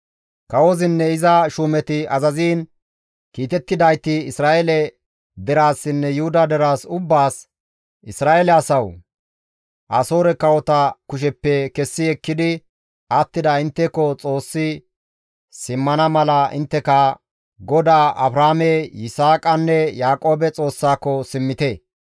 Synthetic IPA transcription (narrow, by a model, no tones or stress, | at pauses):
kɐwɔzɪnːɛɪzɐʃuːmɛt̪ɪɐzɐziːn | kiːt̪ɛt̪ːɪd̪ɐjt̪ɪɪsɾaːeɛlɛ | d̪ɛɾaːsːɪnːɛjʊhʊd̪ɐd̪ɛɾaːsʊbːaːs | ɪsɾaːelɛɐsɐw | ʔɐso̞ːɾɛkɐwɔt̪ɐkʊʃ̬ɛpːɛkɛsːɪɛkːɪd̪ɪ | ʔɐt̪ːɪd̪ɐɪnt̪ːɛkːɔt͡sʼo̞ːsːɪ | sɪmːɐnɐmɐlɐʔɪ̰nt̪ːɛkɐ | ɡɔd̪aːʔɐbɾaːmɛjɪsaːkʼɐnːɛjaːkʼo̞ːbɛt͡sʼo̞ːsːaːkːɔsɪmːɪt̪eː